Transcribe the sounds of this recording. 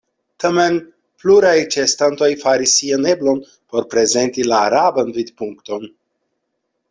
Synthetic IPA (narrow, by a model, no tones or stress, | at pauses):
t̪ʰamen | pluɾajt͡ʃest̪ant̪o̞jfaɾisːianeblo̞n | po̞ɾpɾe̞ze̞nt̪ilaːɾabanvid̪puŋkt̪o̞n